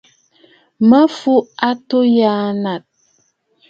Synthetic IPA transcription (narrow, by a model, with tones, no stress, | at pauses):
mə˦fu˦a˦to˦ja˦na˨t̚